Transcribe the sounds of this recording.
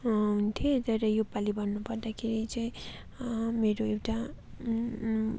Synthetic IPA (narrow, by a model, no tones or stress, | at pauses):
ɦunt̪ʰjot̪ʌɾʌjopalibʌnːupʌrd̪akʰeɾit͡sʌĩ | meɾoewʈa